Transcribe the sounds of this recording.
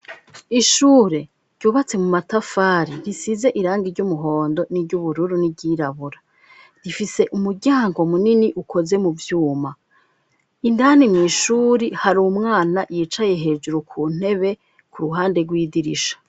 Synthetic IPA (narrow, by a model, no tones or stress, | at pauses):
iʃuːɾe̞ | ɾɟuːβat͡se̞mumatafaːɾiɾisize̞ʔiɾaːŋɡiɾɟumuɦo̞ːndo̞niɾɟuβuɾuɾuniɟiːɾaβuɾa | ɾifise̞ʔumuɾɟaːŋɡo̞muniniʔukʰo̞ze̞muvjuːma | indanimŋiːʃuːɾihaɾuumŋaːnajiːt͡ʃaje̞ɦe̞d͡ʒuɾukʰuːn̥e̞βe̞ | kuɾuɦaːnde̞ɡwiːdiɾiʃḁ